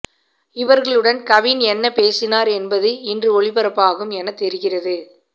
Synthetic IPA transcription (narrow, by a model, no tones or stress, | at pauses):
ɪʋɐɾɣɐɭɯɽɐnkɐʋɪnɛnːɐpeːsɪnaːɾɛnbɐðɯɪndrɯɔɭɪpɐɾɐpːaːɣɯmɛnɐt̪ɛɾɯɣɪrɐðɯ